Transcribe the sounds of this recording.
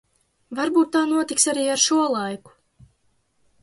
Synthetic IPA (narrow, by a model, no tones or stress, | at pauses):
vaɾbuːt̪ːaːnuɔt̪iksaɾiːaɾʃuɔlˠajku̥